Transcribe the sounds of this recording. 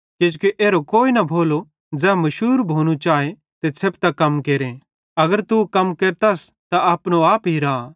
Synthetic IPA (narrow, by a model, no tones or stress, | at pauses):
kɪd͡ʒkeʔeːɾokoːinɐbʱoːlo | d͡zɛ̃ːmɐʃuːɾbʱoːñut͡ʃaːe | t̪esʰeb̚t̪akɐmkeːɾẽ | ɐɡəɾt̪ukɐmkeːɾt̪as | t̪aaːpñoaːpɦiɾa